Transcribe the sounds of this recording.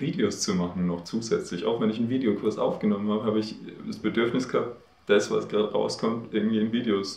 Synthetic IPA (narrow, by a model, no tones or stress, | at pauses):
viːdeost͡sumaχn̩nɔχt͡suːzɛt͡slɪçʔa̰ʊxvɛnɪçnviːdeokʰʊɐsʔa̰ʊfɡ̥ənɔmənhaːbəhaːbəɪçdasb̥ədʏɐfnɪsɡ̥əhap̚t | d̥asv̥a̰sɡ̥ʁaːdəʁa̰ʊskʰɔmtʔɪɐɡŋ̩tv̥iːɪnviːdeos